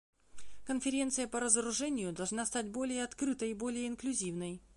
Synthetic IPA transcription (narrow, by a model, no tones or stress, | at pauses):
kənfʲɪɾʲe̞nt̪sɨjəpəɾəzəɾʊʐɛnʲɪjʊd̪ɐlˠʐnast̪at̚ʲbo̞lʲɪjəɐt̪kɾɨt̪əjibolʲɪjəɪnklʲʊzʲivnəj